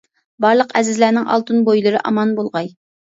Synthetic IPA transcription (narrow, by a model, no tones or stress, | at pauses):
bɑɾlˠəqɛzɪzlænɪŋɑ̰lˠt̪unbojlˠɨɾɨʔɑmɑnbolˠʁɑj